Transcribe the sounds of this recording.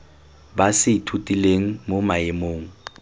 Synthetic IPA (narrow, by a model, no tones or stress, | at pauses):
basɪitʰutʼileŋ̩momaemoːŋ̩